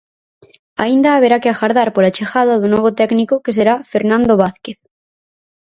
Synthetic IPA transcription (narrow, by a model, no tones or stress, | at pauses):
a̰ind̪aːβeɾakeaxaɾðaɾpolat͡ʃexaðaðunoβ̞ot̪ɛknikoke̞s̬eɾafe̞ɾnãnd̪oβaθkeθ